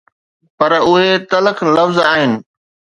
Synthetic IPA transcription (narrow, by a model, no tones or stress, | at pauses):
pɐɾʊɦet̪ɐləkʰlɐfzaːɦɪnɪ̆